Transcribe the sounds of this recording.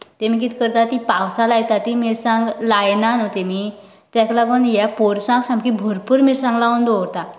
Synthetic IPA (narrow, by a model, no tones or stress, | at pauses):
t̪emikit̪ʰi̥kəɾt̪at̪ipawsalajt̪at̪imiɾsãŋɡlajnanot̪emi | t̪ãklaɡonjɛpoɾsãŋɡsãmkibʱoɾpuɾmiɾsãŋɡlaund̪oɾt̪a